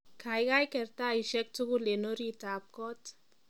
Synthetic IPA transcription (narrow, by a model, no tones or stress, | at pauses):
kʰajkajkɛɾt̪aiʃɛk̚tuɡulenoɾitap̚kɔt